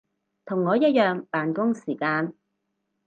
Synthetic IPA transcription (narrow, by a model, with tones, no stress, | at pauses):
t̪ʰʊ˨˩ŋːɔː˨˧jɐ˥t̚jœː˨ŋpaː˨nkʊ˥ŋsiː˨˩kaː˧n